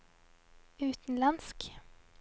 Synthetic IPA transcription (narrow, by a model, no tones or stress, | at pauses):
ʉːt̪nlansk